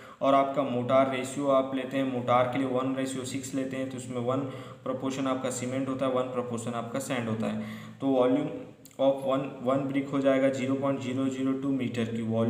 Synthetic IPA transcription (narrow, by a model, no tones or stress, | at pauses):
ɔːɾaːp̚kamoːʈaːɾːeːsjoaːpleːt̪eɦɛ̃moːʈaːɾkelieʋɐnɾeːsijosɪksleːt̪eɦɛ̃t̪oɪsmẽʋɐnpɾopoːɾʃənaːp̚kasimẽɳʈɦoːt̪aɦɛʋɐnpɾɐpoːɾʃənaːp̚kasɛ̃ːɳɖʱɦoːt̪a̰ɦɛːt̪oːʋɔːljuːm | ɔːfʰʋɐnʋɐnbɾɪkɦod͡ʒaːeːɡad͡ʒiːɾopɔ̃ːɪ̃ɳʈd͡ʒiːɾod͡ʒiːɾoʈuːmiːʈəɾkiʋɔːl